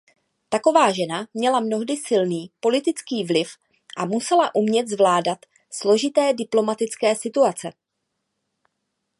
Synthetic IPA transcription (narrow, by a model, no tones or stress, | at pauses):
t̪ako̞vaːʒɛnamɲɛlamno̞ɦdɪsɪlniːpo̞lɪt̪ɪt͡skiːvlɪf | ʔamusɛlaʔumɲɛt̪zvlaːdat̪ | slo̞ʒɪt̪ɛːdɪplo̞mat̪ɪt͡skɛːsɪt̪uat͡sɛ